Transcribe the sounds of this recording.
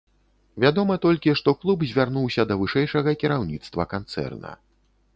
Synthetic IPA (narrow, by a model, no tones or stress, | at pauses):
vʲad̪ɔmɐt̪ɔlʲkʲiʂt̪ɔklˠubzʲvʲarnuwsʲɐd̪ɐvɨʂɛjʂɐɣɐkʲiɾawnʲit̪st̪vɐkant̪sɛ̰rnɐ̰